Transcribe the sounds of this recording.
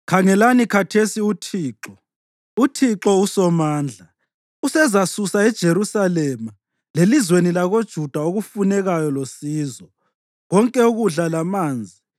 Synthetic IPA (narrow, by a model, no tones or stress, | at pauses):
kʰaŋɛlanikʰatʰesiutʰiːǁɔ | utʰiǁɔusɔmaːnd͡ɮʱa | usɛzasusaɛd̥ʒ̥ʱeɾusalɛma | lelizwenilaɣod̥ʒ̥ʱud̥ʱaoɣufunɛɣajɔlosiːzɔ | ɣɔŋkʼɛuɣuɮalamaːnd͡zʱi